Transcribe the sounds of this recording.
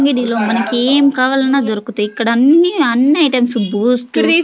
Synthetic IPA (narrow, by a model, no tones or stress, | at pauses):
ŋɡiɖiloːmɐnɐkːieːmkaːʋaːlɐnad̪ɔɾɐkːut̪eikːɐɽɐɐnːiɐnːɐjʈɐmsubuːsʈ̪i